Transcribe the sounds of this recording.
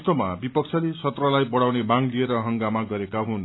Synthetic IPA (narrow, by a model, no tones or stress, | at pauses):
st̪ʌmabipʌkt͡sʰʌlesʌt̪rʌlajbʌɽawnebaŋlieɾʌɦʌŋɡamaɡʌɾekaɦun